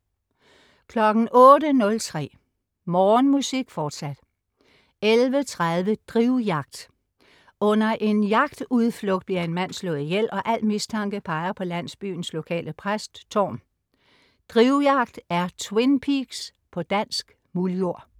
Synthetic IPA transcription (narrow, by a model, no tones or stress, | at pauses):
kʰlɒ̽ɡ̥n̩ʔɔ̽ːɾənɔ̽lt͡sʰʁɛ̰ː | mɒːnmusiɡ̥fɒːd̥sæd̥ | elʋət͡sʰʁaðˠʋəd̥ʁiʊjɑ̈ɡ̥̚d̥ | ɔ̽nɐʔe̝njɑ̈ɡ̥d̥uðˠflɔɡ̥d̥̚b̥liɐe̝nmæn̰slɔ̽ːð̩ˠijel̰ɒ̽ʔæl̰̥mist͡sʰɑ̈ŋɡ̥əpʰɑ̈ɪɐpʰɒ̽læn̰sb̥y̰ːn̩slo̝kʰɛ̰ːləpʰʁasd̥t͡sʰɒ̰ːn | d̥ʁiʊjɑ̈ɡ̥̚d̥æɐt͡sʰwe̝npʰiɡ̥s | pʰɒ̽d̥æn̰sɡ̥ | muljo̝ɐ̰